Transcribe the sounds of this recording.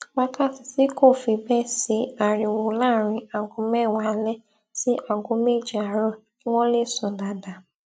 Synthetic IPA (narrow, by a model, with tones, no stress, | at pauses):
wa˦ka˦˨si˨si˦ko˦˨fi˨bɛ˦si˨˦a˨ɾi˨wo˨la˦˨ɾĩ˨a˨ɡʊ̃˨˦mɛ˦˨wa˨˦lɛ˦ | si˦ʔa˨ɡʊ̃˨˦me˦˨d͡ʒi˨a˨ɾɔ˦ | i˦wɔ̃˦le˦˨sũ˨da˨da˨